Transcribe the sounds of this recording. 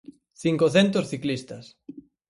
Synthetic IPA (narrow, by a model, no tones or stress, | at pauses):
θiŋkoθent̪osθiklist̪ɐs